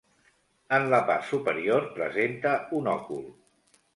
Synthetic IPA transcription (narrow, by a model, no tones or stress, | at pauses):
ənləpa̰rsupəɾioɾpɾə̰zent̪əunɔkṵlˠ